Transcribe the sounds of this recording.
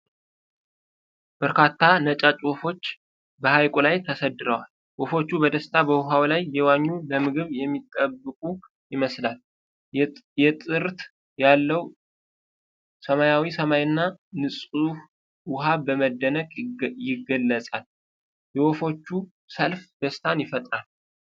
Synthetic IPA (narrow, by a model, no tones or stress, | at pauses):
b̥əɾkat̪ʰːanət͡ʃʼat͡ʃʼwofo̞t͡ʃː | bəhajkʼolajt̪ʰəsəd̪ːɨɾəwal | wɔfo̞t͡ʃːubəd̪əst̪ʰabəwʊɦawlajːɛwaɲːuləmɨɡɨβjɛmːit̪ʼːəbːɨkʼu | jɪməslal | jɛt̪ʼɨɾt̪ | jalːəw | səmajawisəmajɨnːanɨsʼuf | wʊɦabəməd̪ːənəkʼjɪɡːəlːəsʼal | jɛwofo̞t͡ʃːu | səlfd̪̥əst̪ʰanjɪfət̪ʼɾal